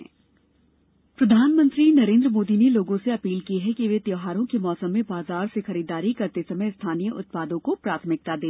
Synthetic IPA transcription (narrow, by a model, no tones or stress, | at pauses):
pɾɐd̪ʱaːnmə̃nt̪ɾinɐɾẽːnd̪ɾəmoːd̪ineloːɡõseɐpiːlkiɦɛkiʋet̪joːɦaːɾõkemɔːsəmːẽbaːzaːɾsexɐɾiːd̪aːɾikɐɾt̪esɐməjst̪ʰaːnijəʔʊt̪̚paːd̪õkopɾaːt̪ʰəmɪk̚t̪ad̪eː